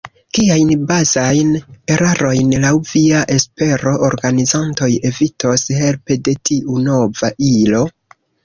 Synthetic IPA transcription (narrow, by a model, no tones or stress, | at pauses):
kiajnbazajne̞ɾaɾo̞jnlawviaʔe̞spe̞ɾo̞ʔːɾɡanizanto̞je̞vito̞she̞lpe̞de̞tiʔuno̞vaʔilo̞